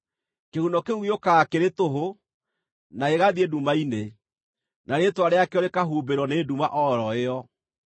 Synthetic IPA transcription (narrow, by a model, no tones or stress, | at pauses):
kehunɔkeujokakeɾetoɦo | naeɣaðiedumaine | naɾetwaɾeakeɔɾekaɦubeɾwɔneːdumaʔɔɾɔeɔ